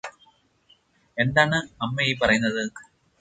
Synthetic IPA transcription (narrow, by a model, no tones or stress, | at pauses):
e̞nd̪aːɳɨɐmːeip̬ːɐrɐjunːɐðɨ